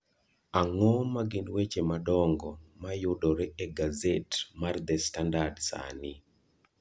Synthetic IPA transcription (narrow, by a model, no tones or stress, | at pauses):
aŋɔmaɡɪnwet͡ʃemadɔŋɡɔmajʊdɔɾɛɛɡazetmard̪ɛstandadsa̰nɪ